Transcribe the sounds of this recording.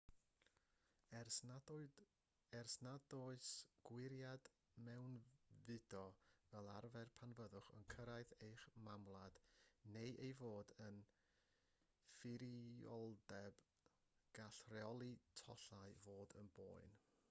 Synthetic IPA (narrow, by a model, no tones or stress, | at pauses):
ɛrsnadɔɨsɡ̥wɪɾjad | mɛwnvɨdɔvɛlˠarvɛrpʰanvəðʊχə̰nkʰəɾaɨðejχmamlˠad̥nejʔejvoːdən | fɪɾiɔlˠdɛb̥ | ɡ̥aɬrɛɔlˠitʰɔɬaɨvoːdənboːɨn